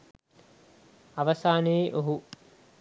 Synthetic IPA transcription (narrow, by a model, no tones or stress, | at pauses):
ɐʋɐsaːneːʔoɦu